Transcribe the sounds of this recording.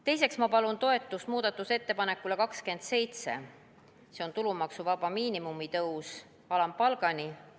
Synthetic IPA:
t̪e̞js̬e̞ksmɑpɑlunt̪o̞e̞t̪ːˑust̪muːd̪̥ɑt̪ːˑuse̞t̪ːe̞pɑne̞kːˑule̞kɑkske̞nd̪̥se̞jt̪se̞̰ | se̞o̞nt̪ulumɑksuvɑbɑmiːnimumit̪ɤws | ɑlɑmpɑlɡ̥ɑni

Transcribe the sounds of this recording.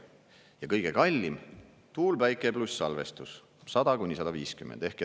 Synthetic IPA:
jɑkɤjɡ̥e̞kɑlʲːim | t̪uːlvæjkˑe̞plusːɑlve̞st̪us | sɑd̪̥ɑkunʲːisɑd̪ɑviːskymːend̪̥e̞hke

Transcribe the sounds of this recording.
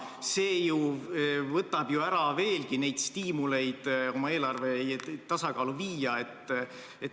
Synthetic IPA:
se̞ːju | vɤt̪ːˑɑb̥juæɾɑve̞ːlkine̞jd̪̥st̪iːmule̞jd̪̥o̞mɑe̞ːlɑrve̞t̪ɑsɑkɑːluviːjɑe̞t̪ː | et̪

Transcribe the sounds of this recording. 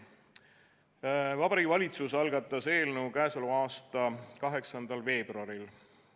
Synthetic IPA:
vɑbɑɾiɡivɑlʲit̪susɑlɡ̥ɑt̪ːˑɑse̞ːlnewkæesoluɑːst̪ɑkɑɦe̞ksɑnd̪̥ɑlve̞ːb̥rɑɾil

